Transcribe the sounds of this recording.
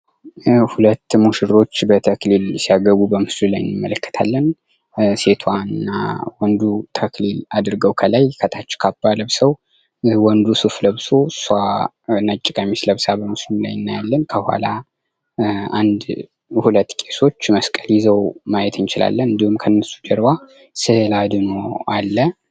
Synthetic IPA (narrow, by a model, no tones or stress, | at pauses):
hulət̪ːmuʃɪɾo̞t͡ʃːbət̪ʰəklilsijaɡəβubəmɨslulajɪ̰nːɨmːələkʰːə̥t̪ʰa̰lːən | se̞t̪ʰwaɨnːa̰wɔnd̪ut̪ʰəklilad̪ɾɨɡəwkʰəlajkʰət̪ʰat͡ʃːɛ̥kʰab̥ːaləβsəw | wɔnd̪usufləβso̞sa | ɨnat͡ʃʼːɪkʼamisləβsabəmɨslulajɨnːajalːənkʰəhwa̰la | and̪ | hulət̪ːkʼe̞so̞t͡ʃːməskʼəljizəwmajɛt̪ʰɨnt͡ʃɪla̰lːənɨnd̪ihumkʰənːəsu̥d͡ʒɛɾba | sɨlad̪ɨnoalːə